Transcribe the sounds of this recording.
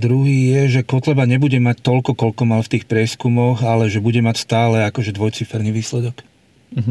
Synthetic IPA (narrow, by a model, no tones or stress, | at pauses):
d̪ɾuɦiːjɛʒɛkɔt̪lɛbaɲɛbuɟɛmac̚t̪ɔlkɔkɔlkɔmaʎft̪iːxpɾɪɛskumɔɣalɛʒɛbuɟɛmacst̪aːlɛakɔʒɛd̪ʋɔjt͡sifɛɾniʋiːslɛd̪ɔk